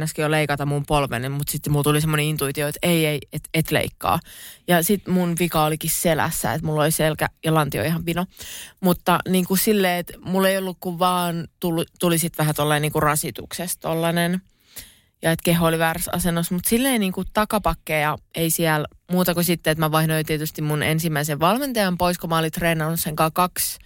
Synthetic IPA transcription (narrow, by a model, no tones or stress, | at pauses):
nːɑskioleikɑt̪ɑmumpolʋḛnemmut̪sit̪ːmult̪ulisemːoneint̪uit̪ioet̪eieiet̪et̪lḛikːɑ̰ːjɑsit̪munʋikɑolikisselæ̰sːæ̰ḛt̪mulːoliselkæ̰jɑlɑnt̪io̰ihɑʋʋinomut̪ːɑniːŋkusilːeːet̪mulːeiolːukkuʋʋɑːnt̪ult̪ulisit̪ʋæɦæt̪olːɑeniːŋkurɑsit̪ṵksest̪olːɑnen | jɑet̪keɦoliʋæːrsɑ̰senːosmut̪silːeiniːŋkut̪ɑkɑpɑkːeːjɑeisiæl | muːt̪ɑkusit̪ːeet̪mæʋɑihnoit̪iet̪yst̪immunḛnsimːæiseʋʋɑlment̪ɑjɑmpoiskomɑolit̪reːnɑnːusːeŋkɑːkɑks